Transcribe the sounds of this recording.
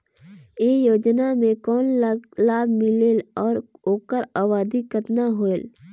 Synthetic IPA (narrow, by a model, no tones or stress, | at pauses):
ejoːd͡ʒnamẽkɔːnlaːbmɪleːlɔːɾoːkəɾaːβaːd̪ikət̪naɦoːel